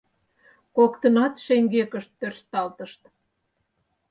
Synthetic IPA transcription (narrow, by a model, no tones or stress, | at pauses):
kokt̪ənɑt̪ʃeŋɡekəʃt̪ːørst̪ɑlt̪əʃt̪